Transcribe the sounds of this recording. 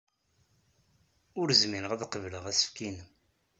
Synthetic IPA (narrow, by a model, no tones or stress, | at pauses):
ʊɾzmiɾəʁæðqəvləʁæsə̥fkinəm